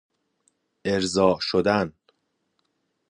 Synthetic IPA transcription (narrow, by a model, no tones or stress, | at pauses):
ʔe̞ɾzɒːʔʃod̪æn